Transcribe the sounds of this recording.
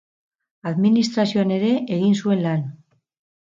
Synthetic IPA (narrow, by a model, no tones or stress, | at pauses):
aðminist̪ɾasioane̞ɾe̞ʔeɣinsue̞nlan